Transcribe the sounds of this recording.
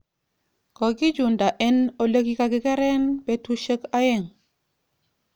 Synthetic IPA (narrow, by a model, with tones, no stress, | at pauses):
ko˨ɡi˦d͡ʒu˨nda˨ʔe˦no˨lə˦ki˦ka˨ɡi˦ke˦ɾe˦nbe˨tu˦ʃə˦ka˦je˦˨ŋ